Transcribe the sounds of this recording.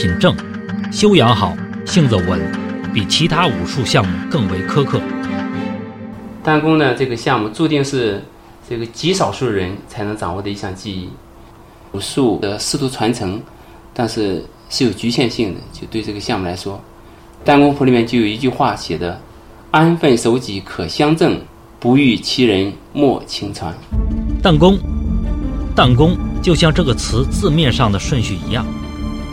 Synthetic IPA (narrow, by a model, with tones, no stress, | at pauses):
i˨˩nʈ͡ʂɤ˥˩ŋ | ɕjo˥ʊjɑ˧˥ŋxɑ˨˩˦ʊɕi˥˧ŋt͡sə˥˩wə˧˥npi˨˩t͡ɕʰi˧˥t̪ʰa˥u˨˩ʂu˥˧ɕjɑ˥˧ŋmu˥˧kɤ˥˩ŋwe˧˥ɪkʰɤ˥kʰɤ˥˩ | t̪a˥nkʊ˥ŋnə˨ʈ͡ʂɤ˥˩ɡə˩ɕjɑ˥˧ŋmu˥˧t͡su˥˧t̪i˥˧ŋʂɻ̩˥˧ | ʈ͡ʂɤ˥˩ɡə˩t͡ɕi˧˥ʂɑ˨˩ʊʂu˥˩əɻə˧˥nt͡sʰa˧˥ɪnɤ˧˥ŋt͡sɑ˨˩ŋwɔ˥˩d̪ə˩i˧˥ɕjɑ˥˧˩ŋt͡ɕi˥˧i˥˩ | u˨˩ʂu˥˩ə˩ʂɻ̩˥˩t̪ʰu˧˥t͡sʰwa˧˥nt͡sʰɤ˧˥ŋ | t̪a˥˧nʂɻ̩˥˧ | ʂɻ̩˥˩jo˨˩ʊt͡ɕy˧˥ɕjɛ˥˧nɕi˥˩ŋd̪ə̰˩t͡ɕjo˥˧ʊt̪we˥˧ɪʈ͡ʂɤ˥˩ɡə˩ɕjɑ˥˧ŋmu˩la˧˥ɪʂwɔ˥ | t̪a˥˧nkʊ˥ŋfʰu˧˥li˨˩mjɛ˥˧nt͡ɕjo˥˩jo˨˩ʊi˧˥t͡ɕy˥˧xwa˥˩ɕjɛ˨˩d̪ə˦ | a˥nfə˥˩nʂo˧˥ʊt͡ɕi˧˥kʰɤ˨˩ɕjɑ˥ŋt͡sɤ˥˩ŋ | pu˧˥y˥˩t͡ɕʰi˧˥ɻə˧˥nmwɔ˥˩t͡ɕʰi˧˥ŋt͡sʰwa̰˧˥nt̪a˥˩nkʊ˥ŋ | t̪a˥˩nk̬ʊ˥ŋt͡ɕjo˥˧ʊɕjɑ˥˧ŋʈ͡ʂɤ˥˩ɡə˩t͡sʰɹ̩˧˥t͡sɹ̩˥˧mjɛ˥˧nʂɑ˥˩ŋd̪ə˩ʂwə˥˧nɕy˥˩ḭ˧˥jɑ˥˩ŋ